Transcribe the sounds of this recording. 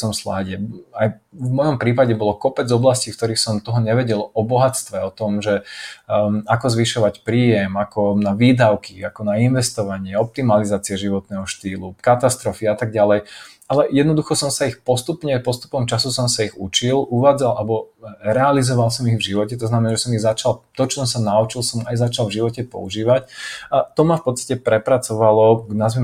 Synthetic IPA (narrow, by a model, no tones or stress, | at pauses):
sɔmslaːɟɛajvmɔjɔmpɾiːpaɟɛbɔlɔkɔpɛd͡zɔblascifkt̪ɔɾiːxsɔmt̪ɔɦɔɲɛʋɛɟɛlɔbɔɦat͡st̪ʋɛɔt̪ɔmʒɛ | akɔzʋiʃɔʋacpɾiːjɛmakɔnaʋiːd̪aʊkiakɔnainʋɛst̪ɔʋaɲɪɛɔp̚t̪imalizaːt͡siɛʒiʋɔt̪nɛːɦɔʃt̪iːlukat̪ast̪ɾɔfiat̪aɡɟalɛj | alɛjɛd̪nɔd̪uxɔsɔmsaixpɔst̪upɲɛpɔst̪u̥pɔmt͡ʃasusɔmsaiɣṵt͡ʃilʔuʋaːd͡zalʔalɛbɔɾɛalizɔʋalˠsɔmiɣvʒiʋɔcɛt̪ɔznamɛnaːʒɛsɔmiɣzat͡ʃalt̪ɔt͡ʃɔsɔmsanaut͡ʃilˠsɔmajzat͡ʃalvʒiʋɔcɛpɔ̰uʒiːʋacat̪ɔmafpɔt̪t͡sst̪ḁcɛpɾɛpɾat͡sɔʋalɔɡnazmɛ